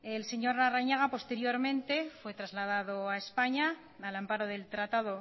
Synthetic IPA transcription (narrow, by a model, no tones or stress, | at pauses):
else̞ɲo̞ɾnaraɲaɣ̞apo̞st̪e̞ɾjo̞ɾmẽ̞nt̪e̞fwe̞t̪ɾazlað̞að̞oaespaɲaː | lampaɾo̞ðe̞lt̪ɾat̪aðo̞